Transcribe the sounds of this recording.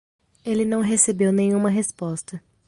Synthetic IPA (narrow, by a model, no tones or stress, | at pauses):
elɪnɐ̃w̃ɦesebewnẽɲ̃ũmɐɦespɔst̪ɐ